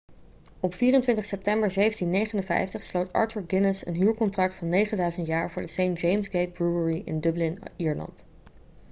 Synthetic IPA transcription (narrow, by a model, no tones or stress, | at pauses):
ɔpfiːrəntʋɪntəχsɛp̚tɛmbəɹzejvəntinːejχənənvɛ̰jftəχslowtɑ̰ɹtuɹɡɪnəsə̰nɦyːɹkɔntrɑk̚tfɑnːejχəndœɥzəntjaːɹvʊːɹdəsejnd͡ʒejmsɡejt̚bɹuəɹiʔɪ̰ndɵblɪniːɹlɑ̰nt